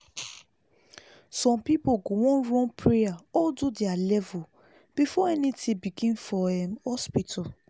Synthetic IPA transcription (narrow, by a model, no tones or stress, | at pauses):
sɔ̃mpipoɡowɔ̃nɹɔ̃npɹeaɔdudɛalɛvɔ | b̥ifɔɛnitĩbiɡĩnfɔɛmhɔspitʰɔ